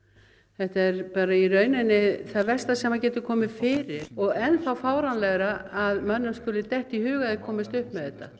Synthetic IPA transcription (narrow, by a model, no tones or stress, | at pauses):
θɛht̪aɛɾpaːɾairœːɥnɪnːɪθaðvɛrst̪asɛmhacɛːt̪ʏkʰɔːmɪfɪːɾɪɾ̥ɔɣɛnθawfaːwɾanlɛɣɾaaðmœnːʏmskʏːlɪt̪ɛht̪ihʏːɣaðɪkʰɔːmɪst̪ʏhpmɛðɛht̪ːa